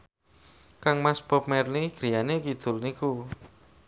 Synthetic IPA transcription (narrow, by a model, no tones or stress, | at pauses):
kaŋmasb̥ɔp̚mɛrliɡ̥ɾijanekid̪̥ʊ̤lniku